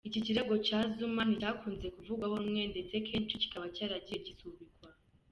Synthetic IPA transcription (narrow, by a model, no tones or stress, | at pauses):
iciciɾe̞ɡo̞t͡ʃaːzuman̥icaːkuːnze̞kuvuɡwahoumŋe̞nde̞t͡se̞kʰeːnt͡ʃici̥kaβacaːɾaɟieɟisuβiɡwa